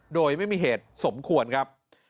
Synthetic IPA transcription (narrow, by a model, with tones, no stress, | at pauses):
doː˧jma˥˩jmiː˧ɦeː˨˩t̪̚so˩˦mkʰu˧ənkʰa˦˥p̚